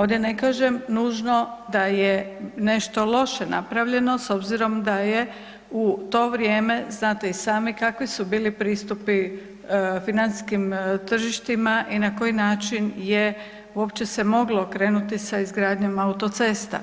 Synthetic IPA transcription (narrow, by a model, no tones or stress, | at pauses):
o̞ːd̪je̞ne̞kaːʒe̞mnuːʒno̞d̪ajene̞ʃt̪o̞lˠo̞ʃena̰pɾaʋʎe̞no̞so̞bziɾo̞md̪aje̞ | ut̪o̞ʋɾjeːme̞znaːt̪e̞isaːmikakʋisubiːlipɾiːst̪upi | finansi̥skimt̪r̩ʒiʃt̪imaʔinako̞jinaːt͡ʃinje | uo̞pt͡ɕe̞se̞mo̞ɡlo̞kɾe̞ːnut̪isaizɡɾaːd̪ɲemaut̪o̞t̪se̞ːst̪a̰